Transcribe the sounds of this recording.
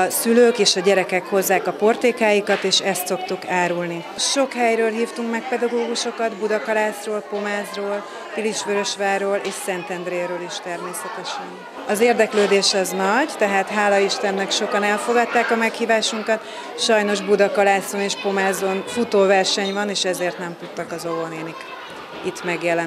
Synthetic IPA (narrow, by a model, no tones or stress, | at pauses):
ɒsyløːkeːʃɒɟɛɾɛkɛkho̞zːaːkɒpo̞rt̪eːkaːjikɒt̪eːʃɛst̪so̞kt̪ukaːɾulni | ʃo̞khɛjɾøːlɦiːft̪uŋkmɛk̚pɛd̪ɒɡoːɡuʃo̞kɒd̪bud̪ɒkɒlaːsroːlpo̞maːzroːl | filiʃʋøɾø̞ʃʋaːroːleːʃsɛnt̪ɛnd̪ɾeːɾøːliʃt̪ɛrmeːsɛt̪ɛʃɒn | ɒzeːrd̪ɛkløːd̪eːʃɒznɒɟt̪ɛɦaːt̪ɦaːlɒiʃt̪ɛnːɛkʃo̞kɒnɛlfo̞ɡɒt̪ːaːkɒmɛkhiːvaːʃuŋkɒt̪ | ʃɒjno̞ʒbud̪ɒkɒlaːsoneːʃpo̞maːzonfut̪oːvɛrʃɛɲvɒneːʃɛzeːrt̪nɛmt̪ut̪ːɒkɒzo̞voneːnik | it̪mɛɡjɛlɛn